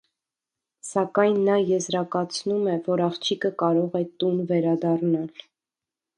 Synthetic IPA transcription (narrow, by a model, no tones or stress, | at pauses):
sɑkɑjnːɑjɛzɾɑkɑt͡sʰnumɛvɔɾɑχt͡ʃʰikəkɑɾɔʁɛt̪unvɛɾɑd̪ɑrnɑl